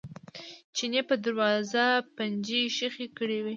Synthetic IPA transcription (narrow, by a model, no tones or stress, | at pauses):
t͡ʃinepəd̪aɾwɑzapand͡ʒiʃəxekəɽiwi